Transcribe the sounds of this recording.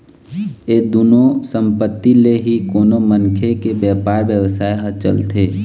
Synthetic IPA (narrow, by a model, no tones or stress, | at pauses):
eːd̪uːnosə̃mpət̪ːileɦikoːnomənkʰekebjɛːpaːɾbjəwsaːeɦət͡ʃə̰lt̪ʰe